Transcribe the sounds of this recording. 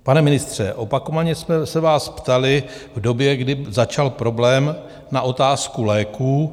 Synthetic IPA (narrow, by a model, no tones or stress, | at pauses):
panɛmɪnɪst̪r̝̥ɛʔo̞pako̞vaɲɛsmɛsɛvaːspt̪alɪ | vdo̞bjɛɡdɪzat͡ʃalpɾo̞blɛːm | naʔo̞t̪aːskulɛːkuː